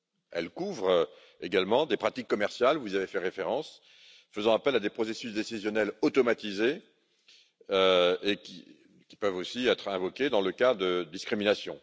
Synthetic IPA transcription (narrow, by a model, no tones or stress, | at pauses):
ɛ̰lkuvʁ | eɡalmɑ̃d̪epχat̪ikːɔmɛʁsjalvuzavefɛʁefeʁɑ̃s | fəzɑ̃apɛlad̪epχɔsesysd̪esizjɔnɛlot̪ɔmat̪ize | øekʲi | kʲi̥pœvosiɛt̪χɛ̃vɔkʲed̪ɑ̃ləkad̪əd̪iskχiminasjɔ̃